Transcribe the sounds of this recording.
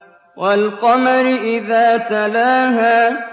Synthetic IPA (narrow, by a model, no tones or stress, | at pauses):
wʔalqɑmaɾɪʔɪðaːt̪alaːɦaː